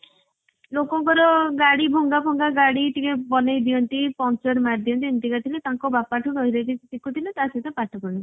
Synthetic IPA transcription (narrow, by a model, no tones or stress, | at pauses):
lokɔŋkɔɾɔɡaɽibʱɔŋɡabʱɔŋɡaɡaɽiʈikebɔnajd̪iɔnt̪ipɔnt͡ʃɔɾmaɾd̪ijɔnt̪̬int̪ikat̪ʰilet̪ãŋkɔbapaʈʰuɾɔɦjɾajt̪isikut̪ʰilet̪aset̪ɔpaʈʰɔkɔɽi